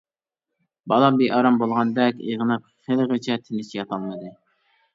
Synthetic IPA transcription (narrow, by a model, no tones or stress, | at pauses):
bɑlˠɑbeʔɑɾɑmbolˠʁɑnd̪ɛkʲḛʁənɨp̚ | χelˠʁt͡ʃʰɛt̪ʰɪnɪt͡ʃʰijɑt̪ʰɑlˠmɨd̪ɨ